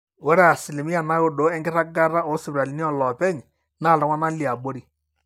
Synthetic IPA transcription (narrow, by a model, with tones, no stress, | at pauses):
wo˦ɾɛ˦a˨sɪ˨lɪ˨mi˦a˨na˦jo˦do˨˦ɛ˦ŋɡɪ˦ɾa˦ɡa˦ɾa˦ɔ˨˦sɪ˨bɾa˨li˨ni˦ɔ˦˨lɔ˨pɛ˦ɲ˨ | na˦˨lɔ˨˦ŋwa˦na˦li˨a˨bo˦ɾi˦